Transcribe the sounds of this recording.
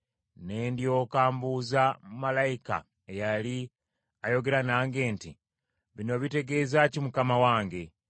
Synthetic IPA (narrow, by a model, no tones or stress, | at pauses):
ne̞ːndjo̞kaːmbuzamumalajika̰ | ejali | ajo̞ɡe̞ɾanaːŋɡe̞ːnti | βino̞βite̞ɡe̞ːzacimukamawaːŋɡe̞